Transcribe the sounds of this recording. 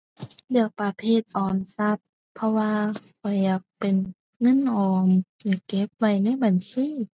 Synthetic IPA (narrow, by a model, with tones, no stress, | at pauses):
lɯ˧˩ək̚pa˨˧pʰeː˧˩t̪̚ʔɔː˨˩nsa˧˥p̚ʰː | ɔ˧waː˧kʰɔ˨˩jːaː˨˩k̚pe˨n | ŋɤ˧˥˨nʔɔː˨˦mjaː˧˩kːe˧˥p̚wa˧˩jna˧˥˨jba˨nsiː˧˥˨